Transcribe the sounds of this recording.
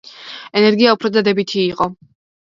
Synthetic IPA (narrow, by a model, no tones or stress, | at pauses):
ɛnɛɾɡiaupʰɾɔd̪ad̪ɛbit̪ʰiːqʼɔ